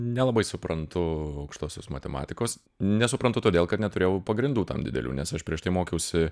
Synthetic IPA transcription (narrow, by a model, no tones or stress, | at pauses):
nʲɛlˠɐbɐɪsʊpɾɐnt̪ʊɐʊkʃt̪oːsʲoːsmɐt̪ʲɛmɑ̰ːt̪ʲɪkoːs | nʲɛsʊpɾɐnt̪ʊt̪oːd̪ʲeːlˠkɐt̪nʲɛt̪ʊɾʲeːjɛʊpɐɡɾʲɪnd̪uːt̪ɐ̰md̪ʲɪ̰d̪ʲɛ̰lʲṵːnʲɛsɐʃpʲɾʲiɛʃt̪ɐɪmoːkʲɛʊsʲɪ